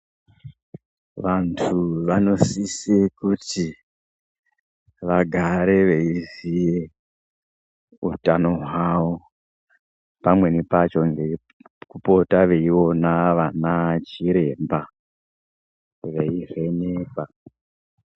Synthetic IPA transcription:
ʋantʰuʋano̞sisekuti | ʋaɡʱaɾeʋe̞izije | ṵtano̞ɦwwawo | pamwe̞nepat͡ʃo̞ŋɡe̞ | kupo̞taʋe̞iwo̞naʋanat͡ʃiɾe̞mba | ʋe̞ive̞neːka

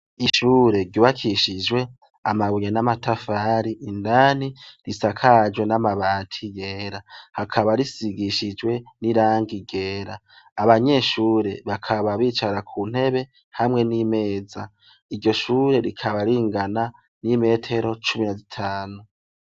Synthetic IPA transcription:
iʃuːɾe̞ɾɟuβakʰiʃid͡ʒwe̞ | amaβujenamatʰafaːɾiʔːndaːn̥iɾisakʰad͡ʒwe̞namaβaːtʰije̞ːɾahakʰaβaɾisiɡiʃid͡ʒwe̞niɾaːŋɡiɡe̞ːɾaː | βaɲe̞ːʃuːɾe̞βakʰaβaβiːt͡ʃaɾakʰuːn̥e̞βe̞ | hamŋe̞nime̞ːd͡za | iɾɟo̞ʃuːɾe̞ɾikʰaβaɾiːŋɡana | nime̞ːtʰe̞ɾo̞t͡ʃuminazitʰaːnu

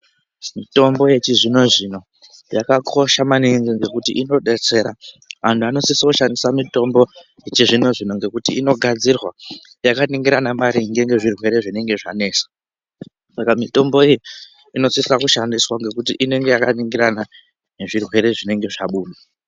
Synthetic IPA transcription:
mito̞mbo̞jet͡ʃiʐino̞ʐino̞ | jakakʰo̞ʃamaninziŋɡe̞kutḭʔino̞ɗe̞t͡se̞ɾa | ʋantʰuano̞sisuʃandisamito̞mbo̞jet͡ʃiʐino̞ʐino̞ŋɡe̞kutiino̞ɡʱad͡zirwa | jakaniŋɡiɾanamaɾiŋɡe̞ŋɡe̞ʐirwe̞ɾe̞ʐine̞ŋɡe̞ʐa̰ne̞ːsḁ | sakamito̞mbo̞iji | ino̞sisakuʃandiswaŋɡe̞kutiʔine̞ŋɡe̞jakaniŋɡiɾana | ne̞ʐirwe̞ɾe̞ʐine̞ŋɡeʐaɓuːna

